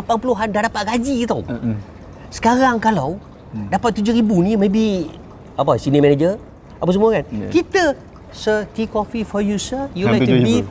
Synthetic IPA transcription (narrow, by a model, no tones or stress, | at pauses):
lapanpuluɦandahdapat̪̚ɡad͡ʒiit̪aw | sə̥kaɾaŋkalaw | dapat̪̚ːud͡ʒoɾibunimebi | apəsinimɛnad͡ʒə | apəsəmuəkankit̪ə | sət̪ikɔfifɔjusəjulaji